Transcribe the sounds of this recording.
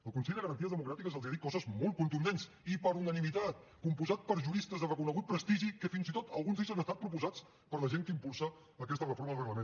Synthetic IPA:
əlˠkunsɛʎd̪əɣɾənt̪iəzðəmukɾat̪ikəzəlˠiaðit̚kːɔzəzmɔlˠt̪̚kunt̪und̪ens | ipəɾunənimit̪at̪̚ | kumpuzat̪̚pəɾʒuɾist̪əzðərəkunəɣut̪̚pɾəst̪iʒikəfinzit̪ot̪əlˠɣunzeʎzanəst̪at̪̚pɾupuzat͡s | pəɾləʒeŋkəimpulˠsəː | kɛst̪ərəfoɾməðərəɣləmẽn

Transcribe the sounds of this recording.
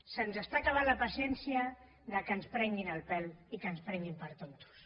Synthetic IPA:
sənzəst̪akaβ̞anləpəsjɛnsiə | ðəkənspɾɛŋɡinəlˠpɛlikənspɾɛŋɡimpəɾt̪ont̪u̥s

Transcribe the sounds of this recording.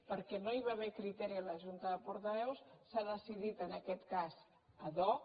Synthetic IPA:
pəɾkɛnoiβaβɛkɾit̪ɛɾiələʒunt̪əðəpuɾt̪əβɛwssaðəsiðit̪ənəkɛt̪kaz | əðɔ

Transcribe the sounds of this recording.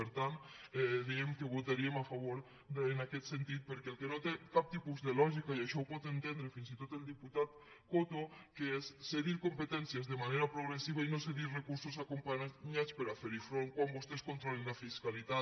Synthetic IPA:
eɾt̪anɛðiemkeβot̪aɾiemafaβ̞oɾ | enaket̪sent̪it̪̚peɾkelkenot̪ekap̚t̪ipuzðelɔʒikaiaʃɔwpɔt̪ent̪end̪ɾefinsit̪ot̪eld̪iput̪at̪̚ | kot̪okeesːeðiɾkompet̪ɛnsjezðemaneɾapɾoɣ̞ɾesiβ̞ainoseðiɾrekuɾsos̬akompaaɲat͡speɾafeɾifɾoŋkwambost̪eskont̪ɾolenlafiskalit̪a

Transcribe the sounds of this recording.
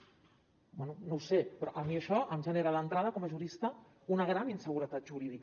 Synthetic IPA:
bwɛnunowsepɾɔʔəmiəʃɔʔəmʒəneɾəðənt̪ɾað̞əkɔməʒuɾist̪ə | unəɣ̞ɾaninsəɣ̞uɾət̪at̪̚ʒuɾiðik

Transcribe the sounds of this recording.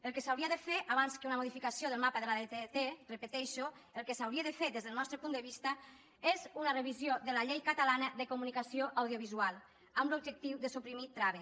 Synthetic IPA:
əlˠkəsawɾiaðəfeɾʔaβanskəunəmoð̞ifikasijoðəlˠmapəðəlaðet̪et̪erəpət̪ɛʃoəlˠkəsawɾiaðəfeɾd̪ezðəlnɔst̪ɾəpund̪əβ̞ist̪ə | ezunərəβ̞izjoðəlaʎejkət̪əlanəðəkumunikasioʔawðijoβ̞izualˠ | amblub̚d͡ʒək̚t̪iwðəsupɾimit̪ɾaβe

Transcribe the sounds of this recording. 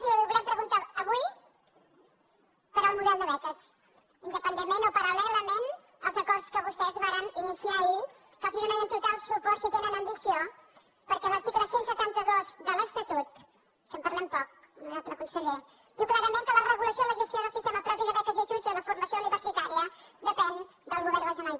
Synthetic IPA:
siuβuɣɾɛmpɾəɣunt̪aəβuj | pəɾəlˠmuðɛlˠd̪əβɛk̪əs | ind̪əpənd̪emenopəɾəlɛləmen | əlˠzəkɔɾskəβust̪ɛzβaɾəninisiai | fasinunənənt̪ut̪alˠsupɔrsit̪enənəmbisio | pəɾkɛləɾt̪ikləsensət̪ant̪əðozðələst̪ət̪ut̪ | kəmpəɾlɛmpɔk̚ | nɔst̪ɾəkunsəʎe | d̪iwklaɾəmẽŋkələrəɣuləsioləʒəst̪jioðəlˠsist̪eməpɾɔpiðəβɛk̪əziʒud͡ʒələfuɾməsiouniβəɾsit̪aɾiəðəpɛn | d̪əlˠɣuβɛɾrəʒunal

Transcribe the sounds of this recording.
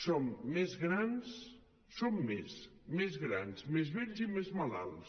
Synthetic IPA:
somːezɣɾans | somːesmezɣɾanzmezβɛʎzimezmala̰lˠs

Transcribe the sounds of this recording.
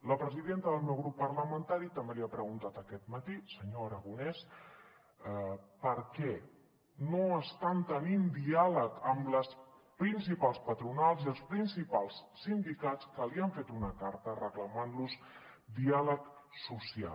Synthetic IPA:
ləpɾəziðent̪əðəlˠmewɣɾupːəɾləmənt̪aɾit̪əmbeliapɾəɣ̞unt̪at̪əkɛt̪mət̪isəɲoːɾəɣunɛs | pəɾkɛ | noəst̪ant̪ənind̪ialəkəmləs | pɾinsipalˠspət̪ɾunalˠziəlˠspɾinsipalˠssind̪ikat͡skəliəɱfet̪unəkaɾt̪ərəkləmanlus | d̪ialək | susia̰

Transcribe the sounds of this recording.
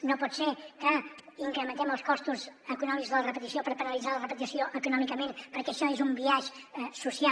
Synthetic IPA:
nõw̃pɔt̪seɾkəiŋkɾəmənt̪ɛməlˠskɔst̪uzəkunɔmikuzðəlrəpət̪isiopəɾpənɐlˠizaɾlərəpət̪isioʔəkunɔmikəmẽnt̪pəɾkɛʃɔezumbiaʒɛsusia

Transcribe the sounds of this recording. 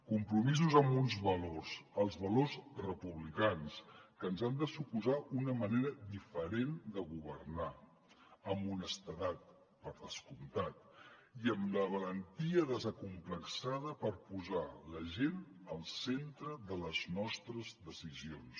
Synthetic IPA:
kumpɾumizuzəmbunzβəlorsəlˠzβəlozrəpuβlikanskənzand̪əsupuzaʔunəməneɾədifəɾend̪əɣuβərna | əmbunəst̪əðat̪̚ | pəɾðəskunt̪at̪̚ | iəmləβələnt̪iəðəzəkumpləksaðəpəɾpuzaləʒenəlˠsent̪ɾəðələznɔst̪ɾəzðəsizions

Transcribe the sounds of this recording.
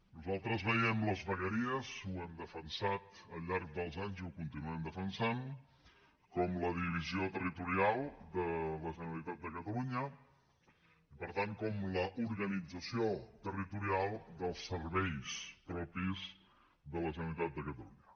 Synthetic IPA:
nuzalˠt̪ɾəzβɛɛmləzβəɣəɾiəzuənd̪əfənsat̪əlʎːaɾk̚d̪əlˠzaɲziuwkunt̪inuənd̪əfənsan | kɔmləðiβiziot̪ərit̪uɾialˠd̪ələʒənəlit̪at̪̚d̪əkət̪əluɲə | ipəɾt̪aŋkɔmləʔuɾɣənid͡zəsiot̪ərit̪uɾialˠd̪əlˠsəɾβɛjspɾɔpiz | ðələʒənəlit̪at̪̚d̪əkət̪əluɲə

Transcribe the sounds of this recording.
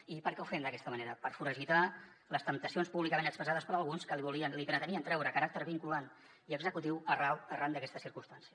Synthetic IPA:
ipəɾkɛufɛmd̪əkɛst̪əməneɾəpəɾfuɾəʒit̪a | ləst̪əmp̚t̪əsionspuβlikəmenəkspɾəzað̞əspəɾəlˠɣunskəliβuliənlipɾət̪əniənt̪ɾɛwɾəkəɾak̚t̪əɾβiŋkulan | iəɡzəkut̪iwərawərand̪əkɛst̪əsiɾkunst̪ansiə

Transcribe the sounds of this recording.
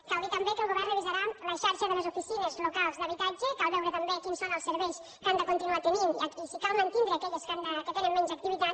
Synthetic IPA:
kawðit̪əmbekəlˠɣuβɛrːəβ̞izəɾaləʃaɾʃəðələzufisinəzlukalˠzðəβit̪ad͡ʒəkalˠβɛwɾət̪əmbekinsonəlˠsəɾβɛjs | kand̪əkunt̪inuat̪əninakisikalˠmənt̪inɾəːkɛʎəskand̪əkət̪enəmmɛnzək̚t̪iβit̪at̪

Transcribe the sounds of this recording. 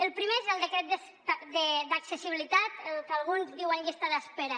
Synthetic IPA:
elˠpɾimeezelˠd̪ekɾɛt̪̚d̪es | ad̪ed̪aksesiβilit̪at̪kalˠɣ̞unzdiwanjest̪aðaspeɾa

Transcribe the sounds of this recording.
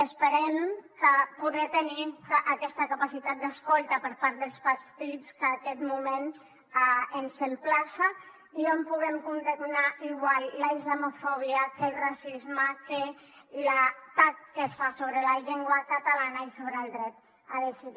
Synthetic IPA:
əspəɾɛmkəpuðɾɛt̪eniʔakɛst̪akapasit̪at̪̚d̪askɔlˠt̪apəɾpaɾt̪̚d̪əlˠspast̪it͡skəːkɛt̪mumen | aənsemplasa | iompuɣɛmkund̪emnaiɣwallaizlamufɔβ̞iakəlrasizmake | lat̪ak̚kəsfasoβɾəlaʎeŋɡwakat̪alanaisoβɾəlˠd̪ɾɛt̪ | aðesiði

